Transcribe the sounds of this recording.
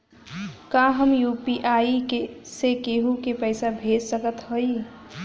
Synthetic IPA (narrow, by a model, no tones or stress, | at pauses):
kaɦəmjupiʔaikesekeɦukepəɪsabʱed͡ʒsəkət̪ɦoi